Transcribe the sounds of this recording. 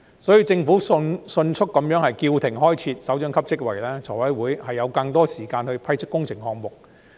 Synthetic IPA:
sɔː˨˥ji˧wt͡sɪ˧ŋfu˨˥snsɵ˧nt͡ʃʰʊ˥k̚ːɐ˨˥mjœː˨˥ŋhɐ˨jkiː˧wt̪ʰɪ˨˩ŋɦɔː˥jt͡sʰiː˧t̚sɐ˨˥wt͡ʃœː˨˥ŋkʰɐ˥p̚t͡sɪ˥k̚wɐ̰˨˩jlɛː˥t͡sʰɔː˨˩wɐ˨˥jwuː˨˥jhɐ˨jːɐ˨˧wkɐ˧ŋt̪ɔː˥siː˨˩kaː˧nhɵ˧ɥpʰɐ˥jt͡ʃʰɵ˥k̚ːʊ˥ŋt͡sʰɪ˨˩ŋhɔː˧ŋ̚mʊ˨k̚

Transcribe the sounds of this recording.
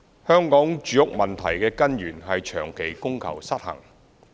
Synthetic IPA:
hœː˥ŋkɔː˨˥ŋt͡ʃyː˨˧jʊ˥k̚mɐ˨nt̪ʰɐ˨˩jkɛː˧kɐ˥njyː˨˩nɦɐ˨jt͡ʃʰœː˨˩ŋkʰe˨˩jkʊ˥ŋkʰɐ̰˨˩wsɐ˥t̚hɐ̰˨˩ŋ

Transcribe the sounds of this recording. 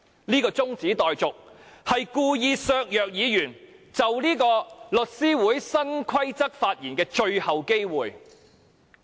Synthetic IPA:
niː˥kɔː˧t͡sʊ˥ŋt͡siː˨˥t̪ɔː˨jt͡sʊ˨k̚hɐ˨jkuː˧jiː˧sœː˨˧k̚jœː˨k̚jiː˨˧jyː˨˩nt͡sɐ˨wliː˥kɔː˧lɵ˨t̚siː˥wuː˨˥jsɐ˥nkʰɐ˥jt͡sɐ˥k̚faː˧t̚jiː˨˩nkɛː˧t͡ʃɵ˧ɥhɐ˨wke˥jwuː˨˩j

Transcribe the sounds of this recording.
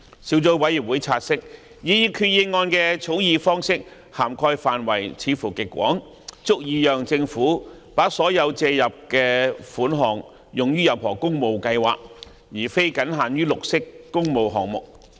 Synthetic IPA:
siː˨˥wt͡so˨˥wɐ˨˥jiː˨˩p̚wuː˨˥jt͡sʰaː˧t̚sɪ˥k̚ | jiː˨˧jiː˧kʰyː˧t̚jiː˧nŋɔː˧nkɛː˧t͡sʰo˨˥wjiː˨˧fɔː˥ŋsɪ˥k̚ | haː˨˩mkʰɔː˧jfaː˨nwɐ˨˩jt͡sʰiː˨˧fuː˨˩kɪ˨kʷːwɔ̰ː˨˥ŋ | t͡sʊ˥k̚jiː˨˧jœː˨ŋt͡sɪ˧ŋfuː˨˥ | paː˨˥sɔː˨˥jɐ˨˧wt͡sɛː˧jɐ˨p̚kɛː˧fuː˨˥nɦɔː˨˩ŋ | jʊ˨ŋjyː˥jɐ˨˩whɔː˨˩kʊ˥ŋmo˨˧wkɐ˧jwa̰ː˨˩k̚ | jiː˨˩fe˥jkɐ˨˥nɦaː˨njyː˥lʊ˨k̚sɪ˥kːʊ˥ŋmo˨˧wɦɔ̰ː˨ŋmʊ˨k̚

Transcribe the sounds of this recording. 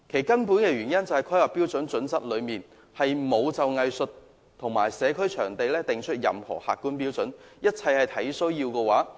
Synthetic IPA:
kʰe˨˩jkɐ˥npuː˨˥nkɛː˧ɥyː˨˩njɐ˥nt͡sɐ˨˩hɐ˨jkʰɐ˥jlɐ˨pːiː˥wt͡sɵ˨˥nt͡sɵ˨˥nsɐ˥t̚lɵ˨˧ɥmiː˨n | hɐ˨jmo˨˧wt͡sɐ˨wŋɐ˨˧jsɵ˨t | t̪ʰʊ˨˩ŋmaː˨˩jsɛː˨˧kʰɵ˥ɥt͡ʃʰœː˨˩ŋt̪e˨jlɛː˥t̪ɪ˨ŋt͡ʃʰɵ˥t̚jɐ̰˨mhɔ̰ː˨˩ha̰ː˨t̚kːuː˥npiː˥wt͡sɵ˨˥njɐ˥t̚t͡sʰɐ˧jhɐ˨jt̪ʰɐ˨˥jsɵ˥wjiː˧wkɛː˧waː˨˥

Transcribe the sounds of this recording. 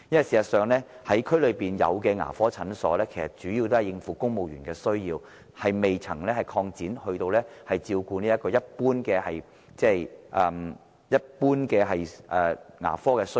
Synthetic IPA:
jɐ˥nwɐ˨jsiː˨˩sɐ˨˩sœː˨ŋlɛː˥ | hɐ˨˥jkʰɵ˥ɥlɵ˨˧ɥpiː˨njɐ̰˨˧wkɛː˧ŋa̰ː˨˩fɔː˥t͡sʰɐ˨˥nsɔ̰ː˨˥lɛː˥kʰe˨˩jsɐ˨t̚t͡ʃyː˨˥jiː˧wt̪o˥hɐ˨jɪ˧ŋfuː˨˧kʊ˥ŋmo˨wjyː˨˩nkɛː˧sɵ˥ɥjiː˧w | hɐ˨jme˨jt͡sʰɐ̰˨˩ŋlɛː˥hɐ˨jkʰɔː˧ŋt͡siː˨˥nhɵ˧t̪o˧wlɛː˥hɐ˨jt͡siː˧wkuː˧niː˥jɐ˥tkːɔː˧jɐ˥t̚puː˥nkɛː˧hɐ˨j | t͡sɛː˥˩jʔɐː˨˧m | jɐ˥t̚puː˥nkɛː˧ɦɐ˨jʔɛː˨ŋa̰ː˨˩fɔː˥kɛː˧sɵ˥

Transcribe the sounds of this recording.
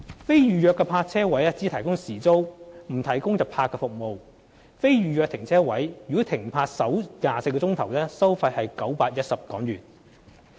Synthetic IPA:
fe˥jjyː˨jœː˧kːɛː˧pʰaː˧t̚t͡sʰɛː˥wɐ˨˥jɛ˥t͡siː˨˥t̪ʰɐ˨˩jkʊ˥ŋsiː˨˩t͡so˥wm̩˨˩t̪ʰɐ˨˩jkʊ˥ŋjɐ˨pʰaː˧kːɛː˧fʊ˨k̚mo˨˧w | fe˥jɥyː˨˧jœː˧k̚t̪ʰɪ˨˩ŋt͡sʰɛː˥wɐ˨˥jjy˨kɔ˨˥t̪ʰɪ˨˩ŋpʰaː˧t̚sɐ˨˥wjaː˨se˧jkɔː˧t͡sʊ˥ŋt̪ʰɐ˨˩wlɛː˥sɐ˥wfɐ˧jhɐ˨jkɐ˨˥wpaː˧t̚jɐ˥t̚sɐ˨p̚kɔː˨˥ŋjyː˨˩n

